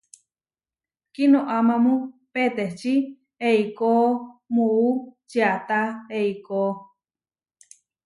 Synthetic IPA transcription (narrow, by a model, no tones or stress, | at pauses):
kinõʔamãmũpet̪eht͡ʃi | eikomuʔut͡ʃiat̪aeiko